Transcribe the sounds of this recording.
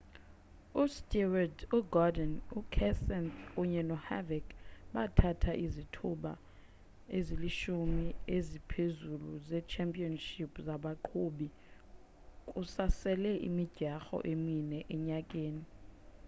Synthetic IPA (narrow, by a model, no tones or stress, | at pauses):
ustʼiwaduɡɔdɛnukʰɛsɛnuɲɛnɔha̰vɛkɓatʰatʰaʔizitʰuɓa̰ | eziliʃumiezipʰezulṵzɛt͡ʃʰɛmpʼiɔnʃipʰʼzaɓaǃʰoɓi | kʼusasɛlɛʔḭmidɟ̥ʱaxɔ̰ʔeminɛʔɛɲakʼeːni